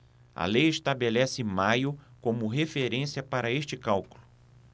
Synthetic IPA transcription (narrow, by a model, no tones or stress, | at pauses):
ɐ̰lejeʃt̪abelɛsɪmajʊkõmʊɦefeɾẽsiɐpaɾɐeʃt͡ʃɪkawkulʊ